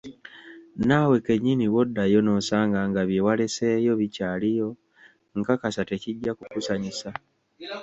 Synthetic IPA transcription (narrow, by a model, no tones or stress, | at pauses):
nawe̞keɲːiniwo̞dːajo̞no̞saːŋɡaŋɡaβjewale̞se̞ːjo̞βicaːlijo̞ | ŋkakasate̞ciɟːakukusaɲisa